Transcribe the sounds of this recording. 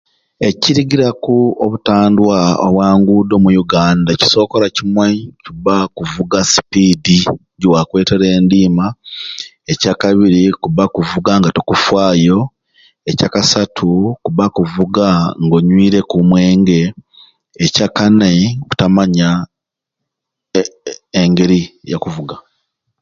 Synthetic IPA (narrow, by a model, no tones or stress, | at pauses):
e̞ciɾiɡiɾakuoβutaːndwao̰βwaːŋɡuːdo̞mujuɡaːndaci̥so̞ːko̞ɾacimwecuβakuvuɡasi̥pidi | ɟwakwe̞ːte̞ɾe̞ːndiːma | ecakaβiɾikuβakuvuɡaŋɡatokufwaːjo̞ | ecakasatʰukuβakuvuɡaŋɡo̞ɲwiːɾe̞kumweːŋɡe̞ː | cakaneku̥tamaɲa | eŋɡe̞ɾija̰kuvuɡa